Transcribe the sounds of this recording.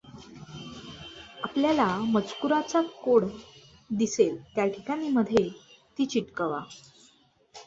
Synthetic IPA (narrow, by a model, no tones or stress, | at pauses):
apljalamət͡skuɾat͡sakoɽ | d̪iselt̪jaʈʰikaɽ̃iməd̪ʱːje | t̪iːt͡ɕiʈkəʋa̰